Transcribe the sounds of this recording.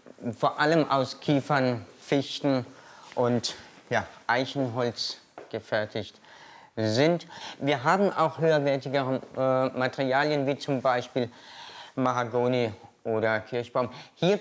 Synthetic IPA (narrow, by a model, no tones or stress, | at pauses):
foːɐʔaləmʔa̰ʊskʰiːfɐnfɪçtn̩ʔʊntjaːʔaɪçn̩ɦɔlt͡s | ɡ̥əfɛɐtʰɪçt | zɪntviːɐɦaːbm̩ʔa̰ʊxhøːɐvɛɐtɪɡəʁəmatəʁiaːljənviːt͡sʊmbaɪʃpiːl | maʁaɡoːniʔoːɾɐkʰɪɐçb̥aʊmhiːɐ